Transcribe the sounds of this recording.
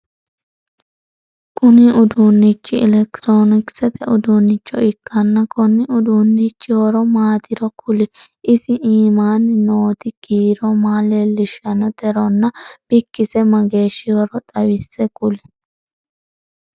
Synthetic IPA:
kʊnɪʔʊd̪uːnːɪt͡ʃːɪɪ̰lɛkt̪ɾoːnɪksɛt̪ɛʊd̪uːnːɪt͡ʃːɔɪkːɐnːɐkɔnːɪʊd̪unːɪt͡ʃːɪhɔɾɔmaːt̪ɪɾɔkʊlɪ | ʔɪsɪʔiːmaːnɪnoːt̪ɪɡ̥iːɾɔmaːleːlːɪʃɐnɔd̪ɛɾɔnːɐb̥ɪkːɪsɛmɐɡe̞ːʃɪɔɾɔt̪ʼɐwɪsːɛkʊlɪ̥

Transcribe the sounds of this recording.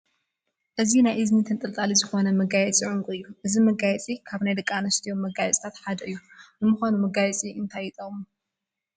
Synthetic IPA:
ʔɨzinajʔɨznit̪ʰɨnt̪ʼɨlt̪ʼalizɨxo̞nɐmɐɡajɛt͡sʼʕʊŋkʼuɨjːuʔɨzimɐɡajɛt͡sʼikʰaβnajd̪ɨkʼːanɐst̪ʰijomːɐɡajɛt͡sʼt̪ʰat̪ħad̪ɐʔɨjːunɨmɨxanumɐɡajɛt͡sʼiɨnt̪ʰajit̪ʼomu

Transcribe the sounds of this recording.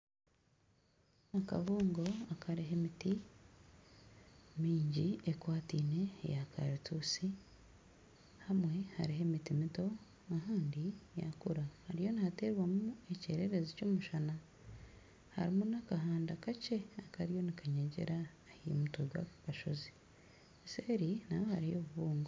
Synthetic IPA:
naka̰βuːŋɡo̞akʰaɾiɦe̞miti | miːɲɟiekwaːtiːne̞̰jakʰa̰ɾitusi | hamwe̞haɾiɦe̞mitimito̞ | aɦaːndija̰kuɾahaɾijo̞nihateɾwamuue̞cḛɾe̞ɾezeco̞ːmuʃana | ha̰ɾimunakaɦaːndakace̞akaɾijo̞nikaɲeɟḛɾa | hḭmutoɟwa̰kakaʃo̰zi̥ | seːɾinawohaɾijo̞βuβuːŋɡo

